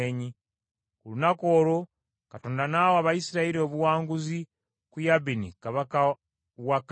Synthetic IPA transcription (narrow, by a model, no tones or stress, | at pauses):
eɲi | kulunako̞ːɾo̞ | katoːndanawoaβaisiɾaiɾio̞βuwaːŋɡuzi | kujabinika | wak